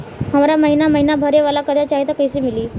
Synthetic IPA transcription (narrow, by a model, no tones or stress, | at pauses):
ɦəʋɾjaməɦinaməɦinabʱəɾeʋəlakəɾat͡ɕaɦit̪əkəjsimiliː